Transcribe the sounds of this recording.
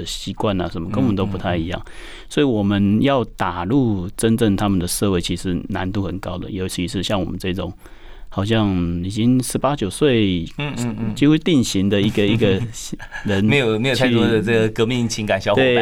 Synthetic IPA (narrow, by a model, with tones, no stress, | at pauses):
ə˩ɕi˧˥kwa˥˧na̰˨ʂə˧˦nmə˧kə˥ŋwə˧˦nt̪o˥ʊp̬u˧t̪ʰa˥˩ɪi˧˥jɑ̰˥˩ŋ | swɔ˧˥i˨˩wɔ˨˩mə˦njɑ˥˩ʊt̪a˨˩lu˥˩ʈ͡ʂə˦˥nʈ͡ʂə˥˩ŋt̪ʰa˥mə˨nd̪ə˩ʂɤ˥˧we˥˩ɪt͡ɕʰi˧˥ʂɻ̩˧˥na˧˦nt̪u˥˧xə˨˩nkɑ˦˥ʊd̪ə̰˨jo˧˥ʊt͡ɕʰi˧˥ʂɻ̩˥˧ɕjɑ˥˩ŋwɔ˨˩mə˦nʈ͡ʂɤ˥˧˩i˧˩ʈ͡ʂʊ˨˩˦ŋ | xɑ˨˩ʊɕ̬jɑ˥˩ŋi˨˩t͡ɕi˥ŋʂɻ̩˧˥pa˥t͡ɕjo˨˩ʊswe˥˩ɪ˧ | t͡ɕi˥xu˥t̪i˥˩ŋɕi˧˥ŋd̪ə˧˨i˧˥ɡə˨i˧˥ɡə˧ɻə˧˥n˧˥ɪjo˨˩me˧˥jo˨˩t͡ɕ̪ʰɔ˥˨˩ə˥˩ɡə˩kɤ˧˥mi˥˩ŋt͡ɕʰi˧˥ŋka˨˩nɕjɑ˥ʊt̪we˥˩